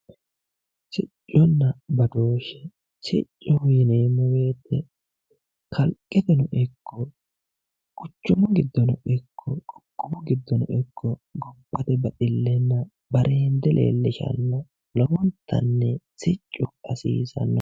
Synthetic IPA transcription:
sɪ̰t͡ʃʼːɔnːɐbɐd̪o̞ːʃɛ̥ | sɪ̰t͡ʃʼːɔjɪneːmːɔwe̞ːt̪ːɛ | kʰɐlkʼːɛt̪ɛnʊʔɪkʰːɔ | kʼʊt͡ʃːʊmʊɡɪd̪ːɔnɔʔɪkʰːɔkʼɔkʼːʊbʊɡɪd̪ːɔnɔ̰ʔɪkʰːɔɡɔbːɐt̪ɛbɐt̪ʼɪlːɛnːɐ | bɐɾʔeːnd̪ɛlʔḛːlːɪʃɐ̰nːɔ | lɐwɔnt̪ʰːɐ̰nːɛsɪt͡ʃʼːʊɐsḭːsɐ̰nːɔ

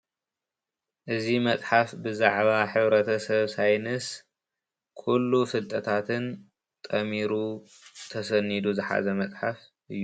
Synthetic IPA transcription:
ʔɨzimɐt͡sʼħafbɨzaʕβaħɨβɾɐt̪ʰɐsɐβsajnɨs | kʰulːufɨlt̪ʼɐt̪ʰat̪ʰɨn | t̪ʼɐmiɾu | t̪ʰɐsɐnːid̪uzɨħa̰zɐmɐt͡sʼħafʔɨjːu

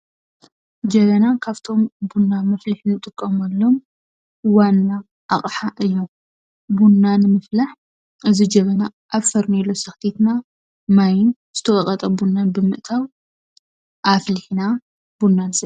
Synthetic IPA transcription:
d͡ʒɐβɐnakʰaβt̪ʰo̞mbunːamɐfliħnɨt̪ʼɨkʼːɐmalːo̞m | wanːa | ʔaχʼħaʔɨjːo | bunːanmɐflaħ | ʔɨzid͡ʒɐβɐnaʔːβfɐɾnelːo̞sɐxt̪ʰit̪na | majɪn | z̥ɨt̪ʰɐwʼɐkʼɐt̪ʼɐbunːanbɨmɨʔt̪ʰaw | ʔafliħna | b̥unːansɐ

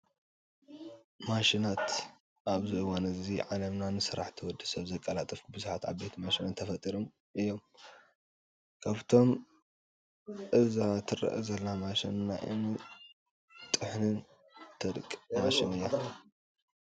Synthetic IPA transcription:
maʃinat̪ | ʔaβzɨʔɨwanɨziʕalɐmnanɨsɨɾa̰ħt̪ʰɨwɔd̪ːɨsɐβzɐkʼːɐlat̪ʼɨfkʰubɨzuħat̪a̰βbe̞t̪ʰmaʃinɨnt̪ʰɐfɐt̪ʼiɾom | ʔɨjːo̞m | kʰaβt̪ʰo̞m | ʔɨzat̪ʰɨrɐ̰ʔɨzɐlnamaʃḭnːa̰ʔɨ̰mi | t̪ʼɨħnɨn | t̪ʰɐd̪kʼmaʃinɨjːa

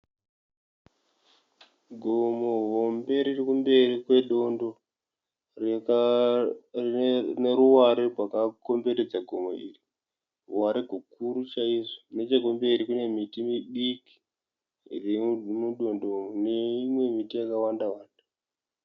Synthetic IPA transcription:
ɡʱomoɦombe̞ɾirikumbe̞rikwe̞ɗo̞ndo | r | rneɾuwaɾerwakako̞mbe̞ɾed͡zaɡʱo̞mo̞̰ḭːri | uwaɾeɡʱukuɾut͡ʃaiʐone̞t͡ʃeɡombe̞iɾikune̞mitimiɓiki̥ | remuɗo̞ndo̞neimwe̞mitijakawandawaːdu̥

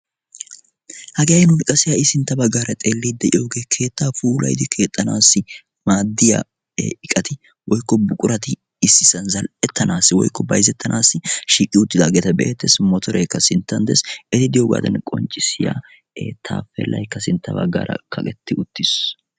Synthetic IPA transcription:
hɐɡejɐjnʊnɪkʼɐsɪjaːɪsɪnt̪ːɐbɐɡaːɾɐt̪ʼeːlːiːd̪ːɛʔɪjoːɡe̞ːkʰe̞ːt̪ːaːfuːlɐ̰jd̪ɪkʰe̞ːt̪ʼːɐnaːsːɪ | maːd̪ːɪja̰ː | ɪkʼɐt̪ɪ | wɔjkːɔbʊkʼʊɾɐt̪ɪ | ɪsːɪsːɐnzɐlɛt̪ːɐnʔaːsːɪwɔ̰jkːɔbɐjzɛt̪ːɐnʔaːsːɪʃiːkʼːɪʊt̪ːɪd̪aɡeːt̪ɐbɛ̰ʔet̪ːɛsmɔt̪ʰɔɾɛjkːɐsɪnt̪ːɐnd̪ɛsɛt̪ɪd̪ɪjoːɡa̰ːd̪ɐ̰nkʼɔ̰nt͡ʃʼːɪsɪja̰ː | eːt̪ʰːa̰ːfɛ̰lːɐ̰jkːɐsɪnt̪ːɐbɐ̰ɡːa̰ːɾɐ̰kʰɐkʼɛt̪ːɪʊt̪ːɪs

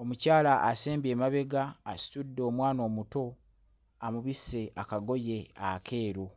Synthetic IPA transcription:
o̞mucaːlaʔːseːmbe̞ːmaβe̞ɡaːsi̥tudːo̞ːmwaːno̞ːmuto̞ | amuβisːe̞ʔakaɡo̞je̞a̰ke̞ːɾo

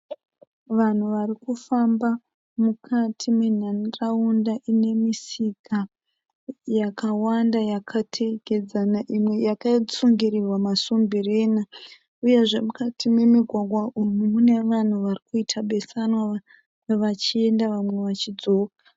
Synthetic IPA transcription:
ʋan̤uʋarikufamba | mukʰatʰimwen̤anraundaʔine̞misika | jakawandajakʰatʰeɡed͡zanaʔimwe̞jakat͡suŋɡiɾirwamasumbire̞ːna | uje̞ʐe̞mukatʰimwe̞miɡʱwaɡʱwaʔumumune̞ʋan̤uʋarikuitʰaɓe̞sanwaa | ʋat͡ʃie̞ndaʋamwe̞ʋat͡ʃid͡zo̞ːkḁ

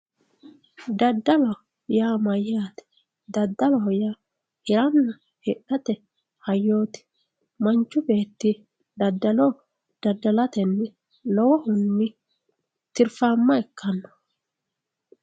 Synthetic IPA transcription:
d̪ɐd̪ːɐlɐ | jaːmɐjːaːt̪ɛ̥ | d̪ɐd̪ːɐlɐɔjaː | hɪɾɐnːɐ | hɛᶑɐt̪ɛ | hɐjːo̞ːt̪ɪ̥ | mɐnt͡ʃːʊbe̞ːt̪ːɪ | d̪ɐd̪ːɐlɔ | d̪̥ɐd̪ːɐlɐt̪ɛnːɪ | lɔwɔhʊnːɪ | t̪ɪɾfaːmːɐɛkːɐnːɔ̥

